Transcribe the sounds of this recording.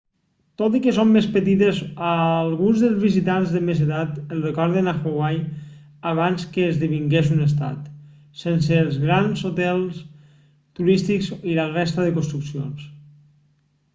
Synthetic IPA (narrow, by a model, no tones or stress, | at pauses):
t̪ot̪ikəsomːespət̪it̪ezalˠɣunzðəlˠzβizit̪anzðəmezet̪at̪əlˠrekɔɾðenaxoɣwaj | aβ̞anskəːzðiβ̞iŋɡezunes̬t̪a̰t̪ | sens̬eːlˠzɣɾanzot̪ɛlˠs | t̪uɾist̪ikzilarɛst̪aðəkounst̪ɾuksio̰ns